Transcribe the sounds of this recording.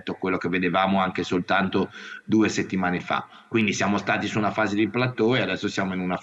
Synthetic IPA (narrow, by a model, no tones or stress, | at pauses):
t̪ːoakːwelːok̟evːed̪evaːmoaŋkesolt̪ant̪od̪uːeset̪ːimaːnefa̰ | kwind̪isjaːmost̪aːt̪isuːnafaːzed̪iplat̪ːoead̪ɛsːosjaːmoinuna